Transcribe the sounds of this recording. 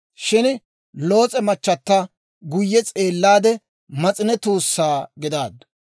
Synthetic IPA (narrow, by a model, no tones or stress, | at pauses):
ʃɪn | loːt͡sʼɛmɐt͡ʃːɐt̪ːɐ | ɡʊjːɛt͡sʼeːlːaːd̪ɛ | mɐt͡sʼɪnɛt̪uːsːaːɡɪd̪aːd̪